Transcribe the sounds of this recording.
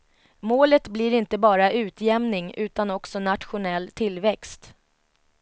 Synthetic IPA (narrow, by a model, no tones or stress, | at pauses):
moːlət̪blɪɾɪnt̪əbɑːɾaʔʉ̟ːt̪ʰjɛmnɪŋʉ̟ːt̪anɔksɔnat̪ɧʊnɛlːt̪ʰɪlːvɛkst̪